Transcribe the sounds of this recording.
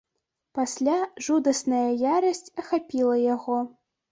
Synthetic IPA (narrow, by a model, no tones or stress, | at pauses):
pasʲlʲaʐud̪ɐsnɐjɐjaɾɐsʲt͡sʲɐxapʲilˠɐjaɣɔ